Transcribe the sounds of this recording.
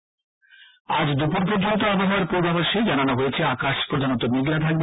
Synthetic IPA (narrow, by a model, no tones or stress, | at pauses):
ad͡ʑd̪upoɾp̬oɾd͡ʑont̪̬oabaɦaɾpoɾbabaʃed͡ʑananoɦojet͡ɕʰeakaʃpɾod̪ʱanot̪omiɡɾad̪ʱaɡb